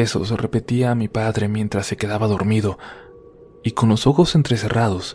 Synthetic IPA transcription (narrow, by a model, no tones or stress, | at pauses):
eso̞̰srepe̞t̪iaːmipaðɾe̞mje̞nt̪ɾasːe̞ke̞ðaβaðo̞ɾmiðo̞ | iko̞nlo̞so̞xo̞se̞nt̪ɾe̞se̞rʔaðo̞s